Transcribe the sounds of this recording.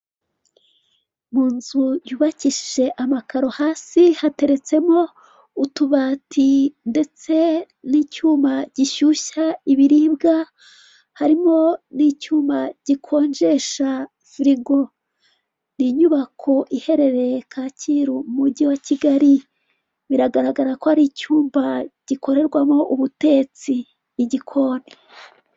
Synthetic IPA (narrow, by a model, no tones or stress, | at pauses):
muːnzujuːβaciʃi̥ʒe̞ʔamakʰaɾo̞haːsihate̞ɾe̞t͡se̞mo̞ | utuβatʰinde̞t͡se̞ | niːcuːmaɟ̥iʃuʃaiβiɾiːbɡa | haɾimo̞nicuːmaɟ̥ikʰo̞ːɲd͡ʒe̞ʃa | fiɾiɡo̞ | niɲuβakʰo̞ʔihe̞ɾe̞ɾe̞kʰacʰiːɾuumuɟiwaciɡaɾi | βiɾaɡaɾaɡaɾakohaɾicuːmbaɟ̥iko̞ɾe̞ɾɡwamo̞ʔuβute̞ːt͡siː | ɟikʰo̞ːne